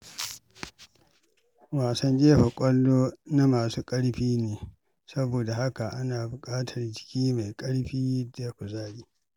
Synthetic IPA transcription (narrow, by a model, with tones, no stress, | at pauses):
waː˨sɐ˦nd͡ʒeː˦ɸɐ˨kʷʼɔ˦lːoː˦na˦maː˨suː˦kʼɐ˦ɽɸiː˦neː˨ | sɐ˦boː˨da˨ha˦ka˨ʔa˦naː˨bʊ˨kʼaː˦tʰɐ˨rd͡ʒɪ̥˨kʲiː˦ma˨jkʼɐ˦ɽɸiː˦da˨˦kʷu˨zaː˦ɽiː˦